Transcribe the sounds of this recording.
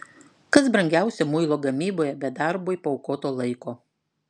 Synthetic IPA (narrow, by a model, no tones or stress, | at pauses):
kɐs̬bɾɐŋʲɡʲæˑʊsʲɛmʊɪlˠoːɡɐmʲiːboːjɛbʲɛd̪ɑɾboːɪpoːʊkoːt̪oːlˠɐɪkoː